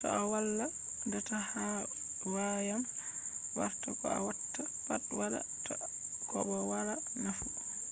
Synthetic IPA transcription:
sɔ̰ʔawalːa | dɔtaha | wajam | wa̰ɾtakɔ̰a̰watːa | patwaɗa̰ | tɔ | kɔ̰ɓɔwaɾa | nafu

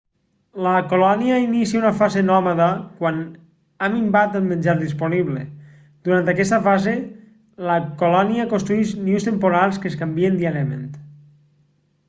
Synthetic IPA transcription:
ləkolɔniəinisiaunəfazenɔmaðəkwan | amimbat̪əlˠmenʲd͡ʒaɾðisponiβlḛ | d̪̥uɾant̪akɛst̪əfaze | ləkolɔniəkonst̪ɾuiʃniust̪empoɾalˠskeskambiend̪iaɾjəmḛnt̪

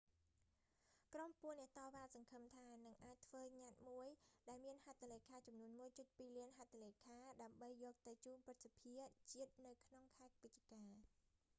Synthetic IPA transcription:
krompuənːɛ̆əʔt̪ɑːʋaːsɑŋkʰəmt̪ʰaːnɨŋʔaːc̚t̪ʰʋəːɲat̪̚muəjɗaɛlmiənhat̪ʰːaleːkʰaːt͡ɕɑmnuənmuəjt͡ɕɨt̪̚piːliənɦat̪ʰaleːkʰaːɗaəmɓəjːɔːk̚t̪ɨwt͡ɕuːnprɨt̪̚sapʰiət͡ɕiət̪̚nɨwkʰnoŋkʰaɛk̚ʋɨc̪̚t͡ɕikaː

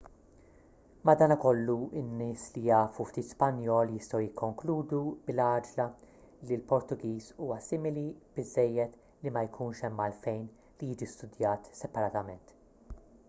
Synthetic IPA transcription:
mɐd̪ɐːnɐkɔlːuɪnːɪːslijɐːfuft̪iːt̪spɐnjɔːljɪst̪ɐwjɪkʰːɔŋkluːd̪ublɐːd͡ʒlɐ | lilpɔɾt̪ʊɡiːsuːwɐsɪmɪlib̥ɪzːɛjːɛt̪ | limɐjkʰuːnʃɛmːɐlfɛjn | lijɪːd͡ʒist̪ʊd̪jɐːt̪sɛpɐɾɐːt̪ɐmɛnt̪

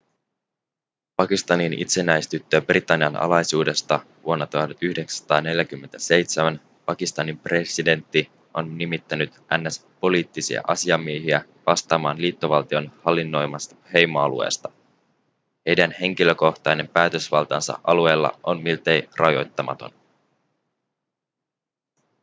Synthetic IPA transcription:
pɑkist̪ɑninḭt̪se̞næjst̪yt̪ːøːbrit̪ɑnːiɑnʔɑ̰lɑjsuːde̞st̪ɑ | ʋuonːɑt̪uhɑt̪yhdeksæ̥st̪ɑːne̞ljæk̟ymːe̞nt̪æse̞jt̪semæn | pɑkist̪ɑnimpre̞side̞nt̪ːi | ʔo̞nːimit̪ːænyt̪ʔænːæspo̞liːt̪ːisḭæ̰ʔɑsiɑmːieɦiæ | ʋɑst̪ɑːmɑːnliːt̪ːo̞ʋɑlt̪io̞nhɑlːinːo̞jmɑst̪ɑhe̞jmoɑlṵḛːst̪ɑ̥ | he̞jdænhe̞ŋk̟ilø̞ko̞ht̪ɑjne̞mpæːt̪ø̞sʋɑlt̪ɑnsɑ̰ʔɑlue̞ːlːɑ̰ʔo̞nmilt̪e̞jrɑjo̞̰jt̪ːɑmɑ̰t̪o̞̰n

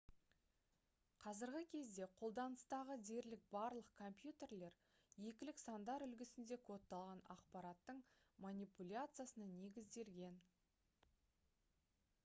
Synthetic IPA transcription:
qʰɑzɪɾɡʲɪkʲʰe̞zd̪e̞qʰo̞lˠd̪ɑnəst̪ɑʁəd̪e̞ɾlɪk̚bɑɾlˠəq̚kʰo̞mpjut̪e̞ɾle̞ɾ | je̞kʲɪlɪksɑnd̪ɑɾʏlɡʲɪsɪnd̪e̞kʰo̞t̪ːɑlˠʁɑnɑqpɑɾɑt̪ːəɴmanʲijpulʲat̪sɨjasənɑne̞ɡʲɪzd̪e̞lɡʲe̞n

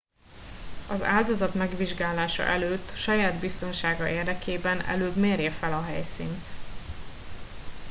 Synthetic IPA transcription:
ɒza̰ːld̪o̞zɒt̪mɛɡʋiʒɡaːlaːʃɒ̰ʔɛløːt̪ːʃɒjaːd̪bist̪o̞nʃaːɡɒʔeːrd̪ɛkeːbɛnɛ̰løːbmeːrjɛfɛlɒɦɛjsḭːnt̪

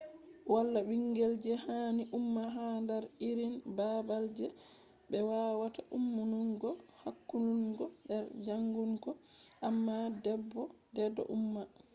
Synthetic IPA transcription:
walːabiŋɡɛld͡ʒɛhaniʔumːaɦandaɾiɾinbabald͡ʒɛ | bɛwawataʔumːunuŋɡɔhakːunuŋɡɔɗɛɾd͡ʒaŋɡuŋkɔ | ʔamːadɛbːɔdɛdɔ̰ʔumːa

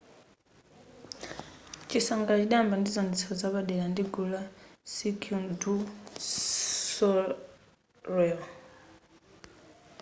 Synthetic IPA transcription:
t͡ʃisaŋɡat͡ʃiɗambandizɔnt͡sʰɔzaɓaɗɛlandiɡulasikʰundu | sɔ | ɾɛl

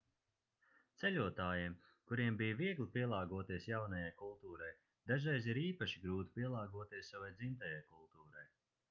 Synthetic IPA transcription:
t̪sɛlʲuɔt̪aːjiɛm | kuɾiɛmbijviɛɡlʲˠipiɛlˠaːɡuɔt̪iɛsjawnajajkulˠt̪uːɾaj | d̪̥aʒɾɛjziɾiːpaʃiɡɾuːt̪u̥pʲiɛlˠaːɡuɔt̪iɛsːavajd̪zint̪ajajkulˠt̪uːɾaj

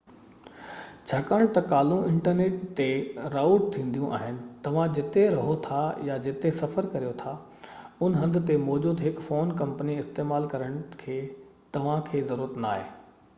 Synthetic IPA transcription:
t͡ɕʰaːkaːɽ̃t̪ɐkaːl̤ũɪ̃ɳʈəɾneːʈt̪eɾaːʊʈ̚t̪ʰĩːn̆d̪ijũʔa̰ːɦɪnɪ̆t̪ɐʋ̤ãd͡ʑɪt̪eɾɐɦot̪ʰajad͡ʑɪt̪esɐfəɾkɐɾijot̪ʰa | ʊnɦɐ̃nd̪ʱɪt̪emɔːd͡ʑuːd̪ɦɪkfoːnkɐ̃mpəniɪst̪eːmaːlkɐɾəɽ̃̆kʰeːt̪ɐʋ̤ãkʰeːzɐɾuːɾət̪naːɦeː

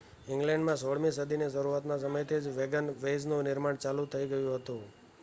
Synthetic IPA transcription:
ɪ̃ŋɡlɛ̃ɳɖmãsoɭmis̬əd̪ʱinesəɾuat̪nasəməjt̪ʰid͡ʒʋeɡənʋeznũnɪɾmaɳt͡ʃalut̪ʰəiɡəjũɦət̪ũ

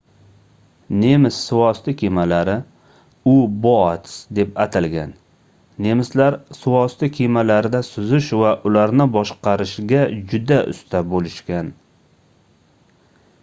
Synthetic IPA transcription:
nemɪsːʊwɒst̪ɪkʲʰemalaɾɪ | ʊbɒt̪sd̪e̞pat̪ʰɪlɡʲanː | e̞mɪslaɾsɪwɒst̪ɪkʲʰemalaɾɪd̪asʊzɪʃvaʔʊlaɾnɪbɒʃqɑɾɪʃɡʲad͡ʒʊd̪aʔʊ̰st̪ʰabolɪʃkʲan

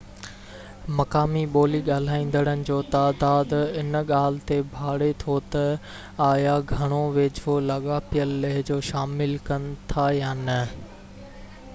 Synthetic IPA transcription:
mɐkaːmiɓoːliɠaːl̤aːĩːn̆d̪əɽ̃ənɪ̆d͡ʑoːt̪aːd̪aːd̪ɪnɠaːl̤ɪt̪ebʱaːɽet̪ʰot̪ɐ | aːjaɡʱɐɽ̃oʋeːd͡ʑolɐɠaːpijəlːɐɦɪd͡ʑoːʃaːmɪlkɐnɪ̆t̪ʰajaːnɐ

